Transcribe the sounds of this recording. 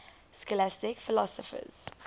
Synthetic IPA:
skɔlæstɪkfɪlɔsɔfə̰z̥

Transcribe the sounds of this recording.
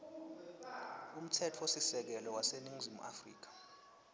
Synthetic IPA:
um̩tʰɛtʰɔwosisɛk̬ɛlɔwaseniŋzimṵʔa̰frḭːk̬ḁ

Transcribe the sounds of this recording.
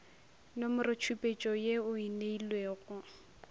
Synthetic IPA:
nomʊrɪt͡ʃʰupʼet͡ʃʼɔjeʊineilweːɣʊ

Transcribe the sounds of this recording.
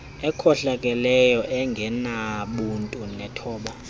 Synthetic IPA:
ɛkʰɔɬakʼɛlɛjɔʔɛŋɡʱɛnaɓuntʼunɛtʰɔːɓa

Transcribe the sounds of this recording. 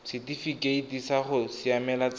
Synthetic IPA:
sɪtifikʼeitisaχʊsɪamɛlat͡s

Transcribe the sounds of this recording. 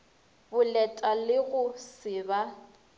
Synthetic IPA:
bʊlɛtʼalɪɣʊsɪba

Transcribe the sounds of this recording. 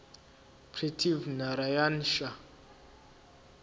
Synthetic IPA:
pʰretʰivnaɾajanʃa

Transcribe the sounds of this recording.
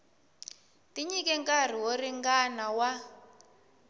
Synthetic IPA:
tiɲik̬ɛŋkar̤iworiŋɡanawa

